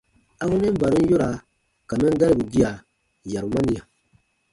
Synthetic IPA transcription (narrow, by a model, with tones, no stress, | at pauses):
a˦ɡu˦nɛ̃˦m̩˦ba˨ɾĩ˦n˦jo˦ɾa˨ | ka˨mɛ̃˦ɡa˦ɾi˨bu˨ɡi˦a˨ | ja˨ɾu˨mã˦nĩ˨ja˨